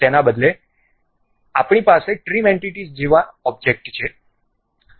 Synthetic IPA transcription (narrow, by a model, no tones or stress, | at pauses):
t̪enabəd̪le | apɽ̃ipaseʈɾimeɳʈiʈizd͡ʒeʋaɔb̚d͡ʒek̚ʈt͡ʃʰe